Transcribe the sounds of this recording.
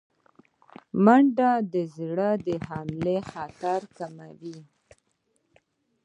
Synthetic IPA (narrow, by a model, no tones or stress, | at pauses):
maɳɖad̪əzɽəd̪əhamlexat̪aɾkamawi